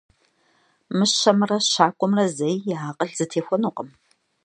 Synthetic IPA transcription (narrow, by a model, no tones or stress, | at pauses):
mɨɕɐmrɐɕaːkʷʼɔmrɐzɐjjɪaːqʼəɬz̥ɨtʰeːxʷɔnuqʼəm